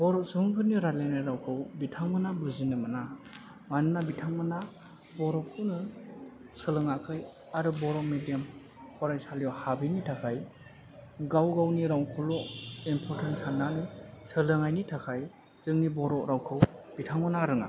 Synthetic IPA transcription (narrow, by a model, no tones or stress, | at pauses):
b̥ɔɾɔsuŋkʰɯnjiɾalajnajɾawkʰɯwbitʰaŋmɯnabuzinɯmana | manɯnabitʰaŋmɯna | bɔɾɔkʰɯwnɯ | sɯlɯŋakʰɯj | aɾubɔɾɔk̚mediam | pʰɔɾajsaljɔhabinitʰakʰaj | ɡawɡawniɾawŋkʰulɔimpʰɔɾtʰensanːanisɯlɯŋajnitʰakʰaj | z̥ɯŋnibɔɾɔʔɾawkʰɯwb̥itʰaŋmɯnaɾɯŋa̰